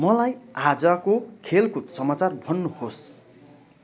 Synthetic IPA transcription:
mʌlajad͡zakokʰelkut̪sʌmat͡sarbʱʌnːuhos

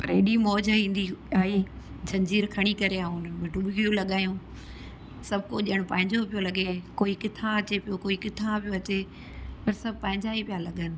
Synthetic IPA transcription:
pɐɾeɗimɔːd͡ʑɦĩːn̆d̪iaːɦi | d͡ʑʱɐ̃ɲd͡ʑiːɾkʰɐɽ̃ikɐɾeaːɦʊn̤ənmẽɖʊɓɪɡijõlɐɠaːjũ | sɐbʱkoʄiəɽ̃ʊpɐ̃ɦɪ̃ɲd͡ʑopijolɐɠekoːikɪt̪ʰãɐt͡ɕepijokoːikɪt̪ʰãpijoɐt͡ɕe | pɐɾsɐbʱɪpɐ̃ɦɪ̃ɲd͡ʑaipijalɐɠənɪ̆

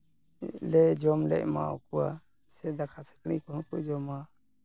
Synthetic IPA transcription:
lɛd͡ʒɔmlɛ̰ʔma̰ukuwa | sɛd̪akʰasə̥knikɔhɔ̃kud͡ʒɔma

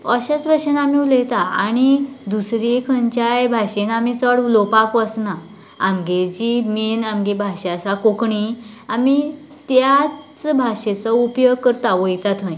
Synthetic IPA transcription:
əɕat͡sbʱaɕenamiuləjt̪aa̰ɽ̃id̪usɾikʰəɲt͡ɕajbʱaɕenamit͡səɽlopakʋəsna | amɡed͡ʑiminamɡebʱaɕasakokɳi | ami | t̪jat͡sbʱaɕet͡sɔupjəɡkəɾt̪aʋəjt̪at̪ə̃j̃

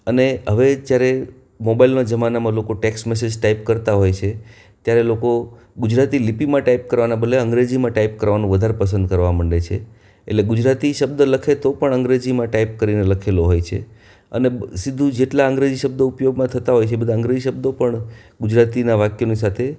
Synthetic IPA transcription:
əneɦəʋed͡ʒjaɾe | mobailnad͡ʒəmanamãlokoʈeksmɛs̬ed͡ʒʈaipkəɾt̪aɦojt͡ʃʰe | t̪jaɾeloko | ɡʊd͡ʒɾat̪ilipimãʈaip̚kəɾʋanabəleə̃ŋɡɾed͡ʒimãʈaip̚kəɾʋanũʋəd̪ʱaɾepəsə̃nd̪̚kəɾʋaməɳɖet͡ʃʰe | ḛʈleɡud͡ʒɾat̪iʃəbd̪ələkʰet̪opəɳəŋɡɾed͡ʒimãʈaip̚kəɾineləkʰeloɦojt͡ʃʰe | ə̰nesid̪ʱũd͡ʒeʈlaəŋɡɾed͡ʒiʃəb̚d̪oupjoɡmãt̪ʰət̪aɦojt͡ʃʰebəd̪ʱaə̃ŋɡɾed͡ʒiʃəb̚d̪opəɳ | ɡʊd͡ʒɾat̪inaʋakjonisat̪ʰe

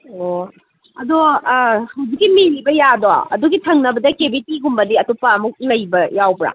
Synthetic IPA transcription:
o | ɐ̰do | hɐwzik̚ːimilibɐjado̰ɐ̰duɡitʰɐŋnɐbɐdɐkebitiɡumbɐdiɐtupːɐːmuk̚lɐjbɐjawbɾa̰

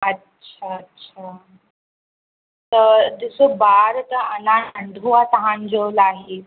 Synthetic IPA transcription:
ɐtːɕʰaːtːɕʰa | t̪əd̪isobaɾt̪əənaəɳd̪ʱuʋat̪əɦãnd͡ʒolaːɦe

